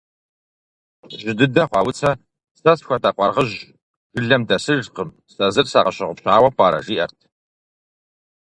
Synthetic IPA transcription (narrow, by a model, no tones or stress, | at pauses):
ʒɪdɨdɐχʷɑːwʊt͡sʰɐ | sɐsxʷɐtaqʷɑrʁəʑ | ʒɨɮɐmdɐsɨʒqəm | sɐzɨrsa̰ːqɐɕɪʁʊpɕaːwɐpʷʼɑːɾɐ̰ʒiːʔɐ̰rtʰ